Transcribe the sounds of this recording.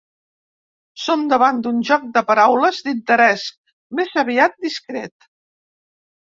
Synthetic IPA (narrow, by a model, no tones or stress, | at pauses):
somd̪əβand̪unʒɔk̚d̪əpəɾawləzd̪int̪əɾɛs | mezəβiat̪̚d̪iskɾɛt̪